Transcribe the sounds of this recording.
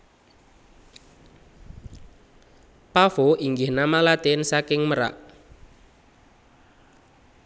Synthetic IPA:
pafoʔiŋɡɪhnamalat̪ensakɪŋməɾa̰ʔ

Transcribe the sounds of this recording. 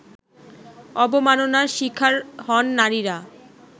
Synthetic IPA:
ɔbomanonaɾʃikʰːaɾɦɔnːaɾiɾa

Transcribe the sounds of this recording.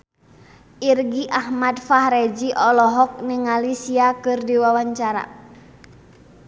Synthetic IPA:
ʔirɡiʔahmadfahɾɛd͡ʒiʔɔlɔɦɔk̚niŋalisiakɨrdiwawaɲt͡ʃaɾa̰

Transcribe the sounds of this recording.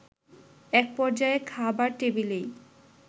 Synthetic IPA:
ɛk̚pɔɾd͡ʑaekʰabaɾʈebilej

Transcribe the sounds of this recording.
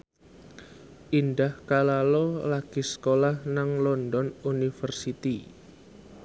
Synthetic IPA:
ʔindahkalalolaɡ̥isə̥kolahnaŋlɔndɔnunifərsit̪i

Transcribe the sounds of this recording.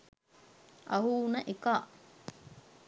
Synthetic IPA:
ʔɐɦuːnɐʔekaːʔ

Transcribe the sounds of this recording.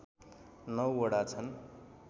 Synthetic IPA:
nʌwoɽat͡sʰʌn

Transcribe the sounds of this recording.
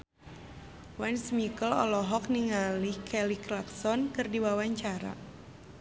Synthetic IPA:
wansmikəlɔ̰lɔɦɔk̚niŋalihkʰɛliklaksɔnkɨrdiwawaɲt͡ʃaɾa̰

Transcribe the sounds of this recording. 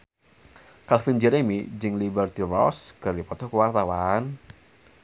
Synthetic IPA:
kalfind͡ʒɛɾemid͡ʒɨŋlibɛrt̪irɔ̰skardipɔt̪ɔkəwart̪awan

